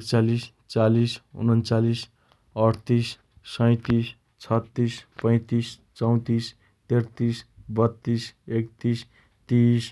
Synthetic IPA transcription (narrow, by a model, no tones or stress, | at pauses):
ekt͡salis | t͡salisṵnʌnt͡salis | ʌɽt̪is | sʌj̃t̪is | t͡sʰʌt̪ːispʌ̃j̃t̪ist͡sʌw̃t̪is | t̪ert̪isbʌt̪ːisekt̪is | t̪is